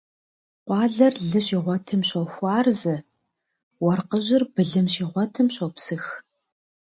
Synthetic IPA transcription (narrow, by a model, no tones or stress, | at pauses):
qʷɑːɮɐrɮɨɕiːʁʷɔtʰɨmɕowxʷɑːrzɨ | wɐrqəʑɪrbɨɮɨmɕiːʁʷɔtʰɨmɕowpsɨx